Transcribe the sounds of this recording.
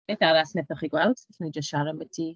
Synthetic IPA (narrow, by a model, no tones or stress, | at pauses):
edaɾasnɛbəχiɡwɛlˠd̥ɛɬmənid͡ʒəstʃaɾəmədi